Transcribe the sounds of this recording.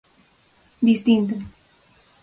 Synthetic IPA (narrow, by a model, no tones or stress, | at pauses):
d̪ist̪int̪o